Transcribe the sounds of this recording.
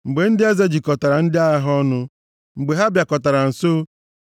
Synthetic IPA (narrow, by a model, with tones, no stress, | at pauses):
ŋ͡m̩˨ɡ͡be˨n̩˦dɪ˦e˦ze˦d͡ʒi˨kɔ˨ta˨ɾa˨n̩˦dɪ˦a˦ja˦ɦɔ˦nʊ˦ | ŋ͡m̩˨ɡ͡be˨ɦa˦bja˨kɔ˨ta˨ɾa˨n̩˨so˦